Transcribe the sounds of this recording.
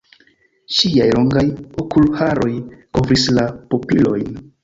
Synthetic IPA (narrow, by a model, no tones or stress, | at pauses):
ʃiajlo̞ŋɡajo̞kʰulhaɾo̞jko̞vɾislapopilo̞̰jn